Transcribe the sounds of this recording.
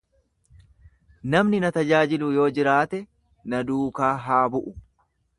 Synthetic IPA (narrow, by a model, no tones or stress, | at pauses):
nɐmnɪnɐt̪ɐd͡ʒaːd͡ʒɪlʊjo̞ːd͡ʒɪɾaːt̪ɛ | nɐd̪uːkaːɦaːbʊʔʊ